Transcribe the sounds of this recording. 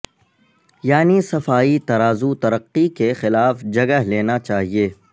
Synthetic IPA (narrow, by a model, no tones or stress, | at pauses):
jaːnisɐfaːit̪ɐɾaːzut̪ɐɾəqːikexɪlaːfd͡ʒɐɡəɦleːnat͡ʃaːɦieː